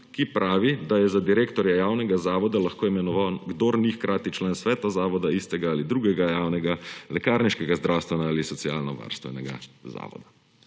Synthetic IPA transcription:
kipɾʔaːʋid̪ajɛzad̪iɾeːkt̪ɔɾjajaːwnɛɡazaːʋɔd̪alaxkoːimɛnɔʋawɡd̪oːɾnixkɾaːt̪it͡ʃlaːnsʋɛːt̪azaːʋɔd̪aist̪ɛɡaːlid̪ɾuːɡɛɡajaːwnɛɡalɛkaɾniʃkɛɡazd̪ɾawst̪ʋɛnaaːlisɔsija̰ːlnɔʋa̰ːɾst̪ʋɛ̰nɛɡa̰za̰ːʋɔ̰d̪a

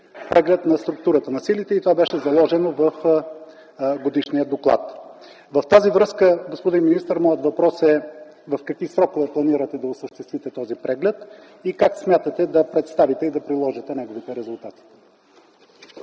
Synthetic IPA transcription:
pɾʔɛɡlɛt̪nɐst̪ɾuk̚t̪uɾət̪ənɐsilit̪ɛit̪ovabɛʃɛzɐlˠɔʒɛnovəf | ɡod̪iʃniəd̪oklˠa̰t̪ | vɐft̪azivɾɤskəɡospod̪inminist̪əɾmɔjət̪vɐpɾɔsɛ | vɐfkɐkvisɾɔkovɛplˠɐniɾɐt̪ɛd̪ɐosəʃt̪ɛst̪vit̪ɛt̪ɔzipɾɛɡlɛt̪ | ikaksmʲjat̪ət̪ɛd̪ɐpɾɛt̪st̪avit̪ɛid̪ɐpɾilˠɔʒit̪ɛnɛɡovit̪ɛɾɛzʊlˠt̪at̪i̥

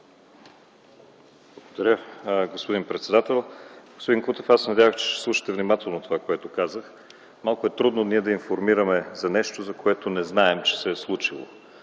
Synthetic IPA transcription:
blˠəɡod̪ɐɾʲəɡospod̪inpɾɛt̪sɛd̪at̪ɛlˠɡo̥spod̪inkut̪ɛfasɛnɐd̪ʲavəxt͡ʃɛ̥ʃɛ̥slˠuʃə̥t̪ɛvnʲimat̪ɛlˠnot̪ovakoɛt̪okazəx | malˠkʊɛt̪ɾud̪noniɛd̪ɐinfoɾmiɾəmɛzɐnɛʃt̪ozɐkoɛt̪onɛznaɛmt͡ʃɛ̥sɛslˠut͡ʃilˠo̰

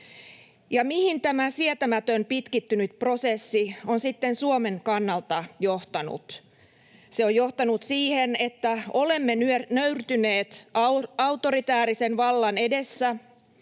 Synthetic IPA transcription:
jɑmihint̪æmæsiæt̪æmæt̪ømpit̪kit̪ːynyt̪prosesːionsit̪ːensuomeŋkɑnːɑlt̪ɑjoht̪ɑnṵt̪ | seojjoht̪ɑnut̪siːhenet̪ːæolemːenynøyrt̪yneːt̪ɑut̪orit̪æːɾisenʋɑlːɑnedesːæ

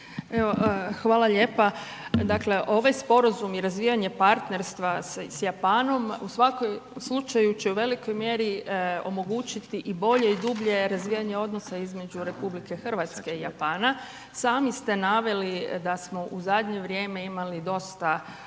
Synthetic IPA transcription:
eʋo̞xʋaːlaʎe̞ːpa | d̪akle̞ʔo̞ʋajspo̞ɾazumiɾazʋiːjaɲe̞paɾt̪ne̞ɾst̪ʋassjapaːno̞musʋakojslˠut͡ʃajut͡ʃeuʋe̞liko̞jmje̞ɾio̞̰mo̞ɡuːt͡ʃit̪iʔibo̞ʎe̞id̪ubʎe̞ɾazʋijaɲe̞o̞d̪no̞saizme̞d͡ʒuɾe̞publike̞xr̩ʋat̪ske̞ijapaːna | saːmist̪e̞naːʋe̞lid̪asmo̞ʔuzad̪ɲe̞ʋɾje̞ːme̞imalid̪o̞st̪a

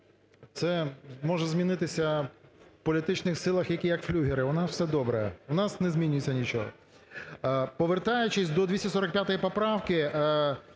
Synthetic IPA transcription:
t̪sɛmɔʒɛzʲmʲinɪt̪ɪsʲɐ | pɔlʲit̪ɪt͡ʃnɪxsɪlˠɐxjɐkʲijɐkflʲuɦʲɪɾɪʋɔnɑwsɛd̪ɔbɾɐjɛʊnɑsnɛzʲmʲinʲʊjet͡sʲːɐnʲit͡ʃɔɦɔ̰ | pɔʋert̪ɑjʊt͡ʃɪsʲd̪ɔd̪ʲʋʲisʲtʲɪsɔɾɐk̚pʲjat̪ɔjipɔpɾɑwkɪ

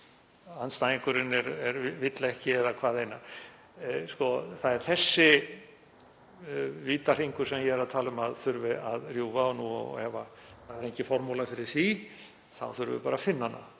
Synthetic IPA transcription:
anst̪ajɪŋkʏɾɪnɛɾɛɾvɪt̪laɛhcɪɛðakʰvaːðeːjna | skɔθaðɛɾ̥θɛsːɪ | viːt̪ar̥iŋkʏɾsɛmjɛɛɾaðt̪ʰaːlʏmaðθʏɾvɪaðrjuːvanuɔ̰ɛva | θaðɛɾejhŋcɪfɔɾmulafɪɾɪɾ̥θi | θa̰wθʏɾvɪ̰paːɾafɪnːanːa̰

